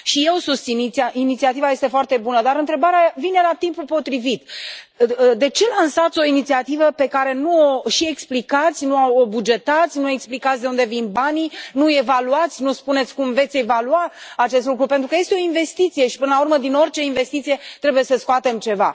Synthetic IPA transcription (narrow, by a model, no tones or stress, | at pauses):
ʃije̞wsust̪init̪aʔinit̪siat̪ivaje̞st̪e̞foart̪e̞bunəd̪aɾɨnt̪ɾe̞baɾeavine̞lat̪impupo̞t̪ɾivit̪ | d̪e̞t͡ʃe̞lansat̪sʲo̞init̪siat̪ivəpe̞kaɾe̞nuoʃie̞ksplikat̪sʲnuawobud͡ʒe̞t̪at̪sʲnue̞ksplikat̪sʲd̪eund̪e̞vinbaninuje̞valuat̪sʲnuspune̞t̪sʲkumve̞t̪sʲe̞valuaat͡ʃest̪lukɾupe̞nt̪ɾukəje̞st̪eo̞inve̞st̪it̪sije̞ʃi̥pɨnəlaurməd̪ino̞rʲt͡ʃe̞inve̞st̪it̪sije̞t̪ɾe̞buje̞səskoat̪e̞mt͡ʃe̞va̰